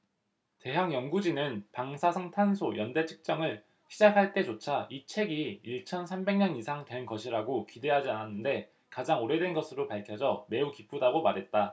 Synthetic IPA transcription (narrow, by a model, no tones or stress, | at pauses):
te̞ɦaŋjʌŋɡud͡ʑinɯnpaŋsʰasʰʌŋtʰansʰojʌnde̞t͡ɕʰɯ̥k̚t͡ɕ͈ʌŋɯɭ | ɕʰid͡ʑakʰaɭt͈e̞t͡ɕot͡ɕʰait͡ɕʰe̞ɡiiɭt͡ɕʰʌnsʰambe̞ŋɲʌnisʰaŋtwe̞nɡʌɕʰiɾaɡokide̞ɦad͡ʑiananːɯnde̞ | kad͡ʑaŋoɾe̞dwe̞nɡʌsʰɯɾopaɭkʰjʌd͡ʑʌme̞ukipʰudaɡomaɾɦe̞t̚t͈a